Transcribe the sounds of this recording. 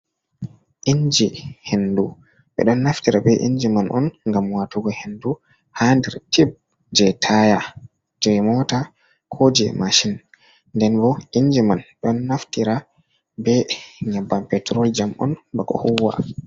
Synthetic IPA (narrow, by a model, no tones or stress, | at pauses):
ʔiɲd͡ʒihendu | ɓɛ̰ɗɔnːaftiɾabɛʔḭɲd͡ʒimanʔɔ̰nŋɡamwatuɡɔhendu | handɛɾtib̚ | d͡ʒɛtʰaja | d͡ʒɛmɔta | kʰoːd͡ʒɛ̰maʃin | ndɛnbɔʔiɲd͡ʒimanɗɔnːaftiɾa | bɛɲabːampɛtɾɔld͡ʒamʔɔ̰nbakɔ̰huwa̰